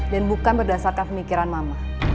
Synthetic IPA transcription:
danbukanbərdasarkanpəmikiɾanmamah

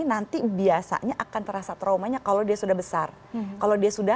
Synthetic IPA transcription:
nant̪ibiasa̰ɲaʔakant̪əɾasat̪ɾawmaɲakalodiasudahbəsar | kalowdiasuda

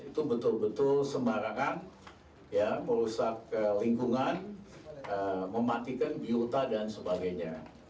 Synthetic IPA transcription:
it̪ubət̪ʊlbət̪ʊlsəmbaɾaŋan | jaməɾusak̚əliŋkuŋan | əməmat̪ikanbiot̪adansəbaɡajɲa

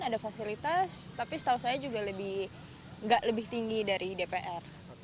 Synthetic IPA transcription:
nadafasilit̪ast̪apisə̥t̪ausajad͡ʒuɡaləbɪh | ŋɡaʔləbɪht̪iŋɡidaɾʔidepeʔɛr

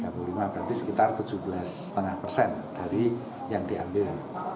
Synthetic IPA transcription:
kabulimab̥ɾat̪isə̥kit̪art̪u̥d͡ʒ̥ṳbəlasə̥t̪əŋahpərsɛnd̪̥aɾi | jaŋd̥̪ia̰mbɪl

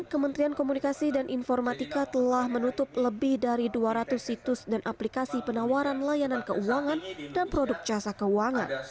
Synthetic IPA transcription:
kəmənt̪ɾiankomunikasidanʔinfɔrmat̪ikat̪əlahmənut̪ʊp̚ləbɪhdaɾiduaɾat̪ʊsit̪ʊsdanʔaplikasipənawaɾanlajanankəʔuaŋandanpɾodʊk̚t͡ʃasakəuaŋa̰n

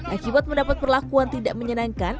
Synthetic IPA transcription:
ʔakibat̪̚məndapat̪̚pərlakuant̪idaʔməɲənaŋkan

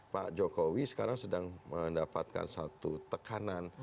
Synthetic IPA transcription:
pa̰ʔd͡ʒokowisə̥kaɾaŋsədaŋməndapat̪̚ka̰nsat̪ut̪əkanan

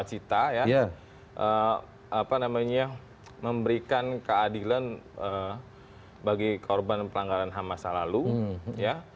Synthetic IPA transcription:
t͡ʃit̪aja | ʔə | apanamaɲa | məmbəɾikankəadilanə | baɡikʰorbanpəlaŋɡaɾanɦamasalaluja

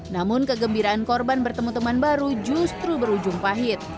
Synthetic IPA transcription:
namʊnkəɡəmbiɾaʔankɔrbanbərt̪əmut̪əmanbaɾud͡ʒust̪ɾubəɾud͡ʒʊŋpaɦɪt̪̚

